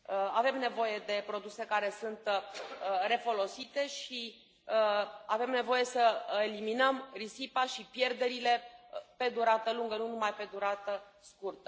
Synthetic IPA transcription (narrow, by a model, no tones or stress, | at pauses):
ave̞mne̞vo̞je̞d̪e̞pɾo̞d̪use̞kaɾe̞sunt̪ | re̞fo̞lo̞sit̪e̞ʃi | ave̞mne̞vo̞je̞səe̞liminəmrisipaʃipje̞rd̪e̞ɾile̞pe̞d̪uɾat̪əluŋɡənunumajpe̞d̪uɾat̪ə | skurt̪ə